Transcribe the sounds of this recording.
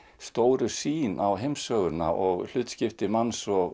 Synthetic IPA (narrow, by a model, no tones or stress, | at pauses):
st̪oːwɾʏsiːnʔawɦejmsœːɣʏna̰ʔɔɣl̥ʏht̪scɪft̪ɪmansɔɣ